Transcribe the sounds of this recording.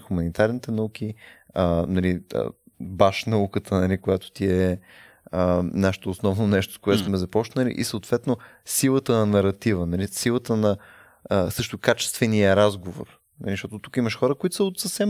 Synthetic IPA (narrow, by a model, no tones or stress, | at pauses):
xʊmɐnit̪aɾnit̪ɛnɐuk̟iənɐliə̰baʃnɐukət̪ʰənɐlikʊjat̪o̥t̪iɛ | ənaʃə̥t̪oːsnɔvnonɛʃt̪o̥skoʊɛt̪smɛzɐpɔt͡ʃnəlḭʔḭsəot̪vɛt̪no | silˠət̪ənɐnɐɾɐt̪ivənɐlisilˠət̪ənɐ | əsɤʃt̪ʊkat͡ʃɛ̥st̪vɛnijəɾazɡovo̰ɾ | nɐ̰liʃt̪ɔt̪ot̪u̥kiməʃxɔɾəkʊit̪ʊ̥səot̪səfsɛm